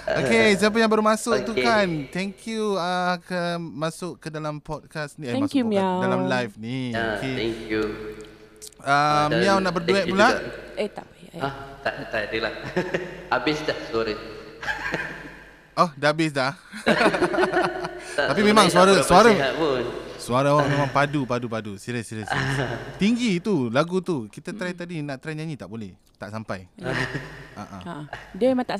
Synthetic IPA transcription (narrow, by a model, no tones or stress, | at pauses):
okes̬ajap̬əjãŋbərmasʊk̚t̪ukant̪ɛŋkʰjuəkəmãsʊʔkədalampɔt̚kasniemaskumadalamlajfnioeɛŋkju | amiawnaʔbərduɛʔ̚pulaʔet̪apat̪aʔt̪atəlah | abɪsdahsaɾə | ɔhdaabɪs̬dah | taapimẽmãŋsuaɾasuaɾaapunsuaɾaawaʔmẽmãŋpadupadupadusiɾəsiɾəst̪iŋɡit̪ulaɡut̪ukit̪ət̪ɾait̪adinaʔt̪ɾɛnɲaɲit̪aʔbolɛh | t̪aʔsampaj | a̰ʔa̰adəmemãŋt̪aʔ